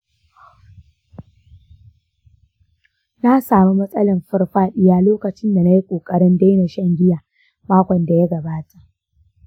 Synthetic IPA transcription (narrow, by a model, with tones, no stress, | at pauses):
na˦saː˨mu˦mɐ˦sʼɐ˦lɐ˨mɸɐ˦rɸaː˦ɗɪ˦jaː˦loː˦kɐ˨t͡ʃɪ˦nda˨na˦ji˦kʷʼoː˨kʼɐ˦ɽɪ˦nda˦jna˨ʃɐ˦ŋɡʲɪ˦ja˨ | maː˦kʷɔ˨nda˨ja˦ɡɐ˨baː˦tʰa˨ʔ